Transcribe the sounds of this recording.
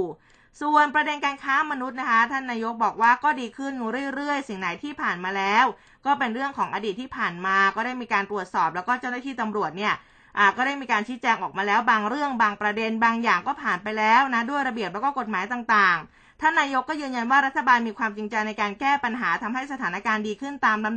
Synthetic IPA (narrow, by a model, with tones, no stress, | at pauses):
su˨˩ənpɾa˧de˧nkaː˧nkʰaː˦˥ma˧nu˦˥t̪̚na˦˥kʰa˦˥t̪ʰa˥˩nːaː˧jo˦˥k̚bɔː˨˩k̚waː˥˩kɔː˥˩diː˧kʰɯ˥˩njuː˧ɾɯ˥˩əjɾɯ˥˩əjsi˨˩ŋna˩˦jt̪ʰiː˥˩pʰaː˨˩nmaː˧lɛː˦˥w | kɔː˥˩pe˧nɾɯ˥˩əŋkʰɔː˩˦ŋʔa˧diː˨˩t̪ʰːiː˥˩pʰaː˨˩nmaː˧kɔː˥˩daː˥˩jmiː˧kaː˧nt̪ɾu˨˩ət̪̚sɔː˨˩plɛ˦˥wkɔː˥˩t͡ɕa˥˩wnaː˥˩iː˥˩t̪a˧mɾu˨˩ət̪̚ni˥˩ɐə | ʔaː˨˩kɔː˥˩ɾa˥˩jmiː˧kaː˧nt͡ɕʰiː˦˥t͡ɕɛː˧ŋʔɔː˨˩k̚maː˧lɛː˦˥wbaː˧ŋɾɯ˥˩əŋbaː˧ŋpɾa˧de˧nbaː˧ŋjaː˨˩ŋkɔː˥˩pʰaː˨˩npa˧jlɛː˦˥wna˦˥du˥˩əjɾa˧bi˨˩əp̚lɛ˦˥wkɔː˥˩ko˨˩t̪̚maː˨˩˦jt̪aː˨˩ŋt̪aː˨˩ŋ | t̪ʰa˥˩nːaː˧jo˦˥kːɔː˥˩jɯː˧nja˧nwaː˥˩ɾa˦˥t̪ʰːa˧baː˧nmiː˧kʰwaː˧mt͡ɕi˧ŋt͡ɕa˧jna˧jkaː˧nkɛː˥˩pa˧nɦaː˩˦t̪ʰa˧mha˥˩jsa˧t̪ʰaː˩˦na˦˥kaː˧ndiː˧kʰɯ˥˩nt̪aː˧mla˧˦